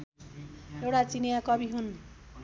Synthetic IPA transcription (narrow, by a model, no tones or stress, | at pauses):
ewʈat͡sinjakʌbiɦun